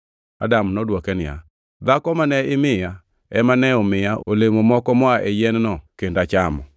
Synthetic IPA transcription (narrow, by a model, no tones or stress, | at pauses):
a̰damnɔdwɔkɛnɪja̰ | d̪akɔmanɛɪmɪja | ɛmanɛɔmɪjaʔolemomɔkɔmɔaʔejɛnnɔkendat͡ʃamɔ